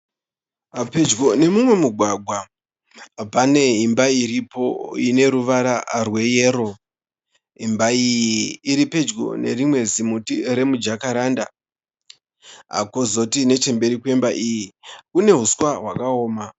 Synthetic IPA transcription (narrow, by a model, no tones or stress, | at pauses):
ɦape̞d͡ʒɡo̞ne̞mumwe̞muɡʱwaɡʱwa | pane̞ɦimbaiɾipo̞ine̞ɾuʋaɾarwe̞jeːɾo̞ | ɦimbaijiːɾipe̞d͡ʒɡo̞̰ne̞̰rimwe̞zimutiɾe̞mud͡ʒakaɾanda | a̰ko̞zo̞tine̞t͡ʃe̞mbe̞ɾikwe̞mbaʔijikune̞ɦuswaɦwakaoːma